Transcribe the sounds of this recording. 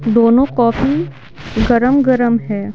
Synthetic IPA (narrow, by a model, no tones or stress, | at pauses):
d̪oːnõkɔːfi | ɡɐɾəmɡəɾəmɦɛː